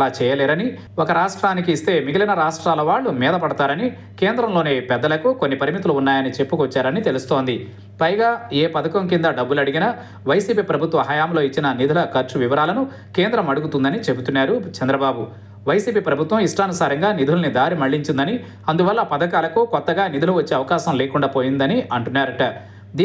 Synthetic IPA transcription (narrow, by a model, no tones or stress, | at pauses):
laːt͡ʃɛːjɐlɛːɾɐni | ɔkɐɾaːʂʈɾaːnikiːst̪eːmiɡilɐnɐɾaːʂʈɾaːlɐʋaːɭːumɛːd̪ɐpɐɽɐt̪aːɾɐni | ke̞ːnd̪ɾɐmlo̞ːne̞ːpɛd̪ːɐlɐkukonːipɐɾimit̪̬uluːnːaːjɐnit͡ʃe̞pːukʋɔt͡ʃːaːɾɐnit̪e̞lust̪o̞ːnd̪i | pɐjɡaːeːpɐd̪ɐkɐmkind̪ɐɖɐbːulɐɽiɡinɐ | ʋɐjsiːpiːpɾɐbʱut̪ʋɐɦɐjaːmlo̞ːit͡ʃːinɐnid̪ʱulɐkɐɾt͡ʃuʋiʋɐɾaːlɐnu | keːnd̪ɾɐmɐɽuɡut̪und̪ɐnit͡ʃe̞but̪unːaːɾut͡ʃɐnd̪ɾɐbaːbu | ʋɐjsiːpiːpɾɐbʱut̪ʋɐmiʂʈaːnusaːɾɐŋɡaːnid̪ʱulɐnid̪aːɾimɐɭːiɲt͡ʃind̪ɐni | ɐnd̪uʋɐlːɐpɐd̪ɐkaːlɐkukɔt̪ːɐɡaːnid̪ʱuluʋɐt͡ʃːeːɐʋɐkaːʃɐmleːkuɳɖaːpo̞ːjind̪ɐniʔɐɳʈunːaːɾɐʈɐ | d̪iː